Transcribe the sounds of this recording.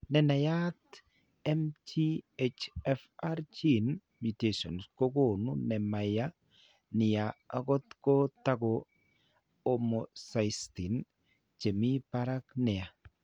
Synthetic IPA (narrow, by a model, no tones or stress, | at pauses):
nɛnajat | ɛmtʰiet͡ʃɛfaɾt͡ʃin | mutesɔ̰nskoɡonʊnɛmaja | nɪjaaɡɔt̪kotaɡo | omosajstin | t͡ʃemipaɾaknɛa